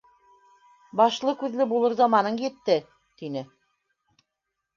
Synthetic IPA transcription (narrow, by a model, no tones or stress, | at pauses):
bɑʃlˠɤkʉðlɘbulˠɤɾzɑmɑnɤɴjɘ̆t̪ːɘ | t̪inɘ